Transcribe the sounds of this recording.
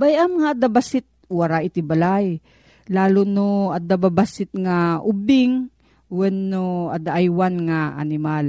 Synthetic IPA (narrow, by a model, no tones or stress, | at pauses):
bajɐmɐŋaad̪abasɪt̪̚waɾaʔɪt̪ɪbalaj | laːlʊnoad̪ababasɪt̪̚ŋaʔʊbɪŋ | wɛnːoad̪aʔajwanŋaʔa̰nɪmal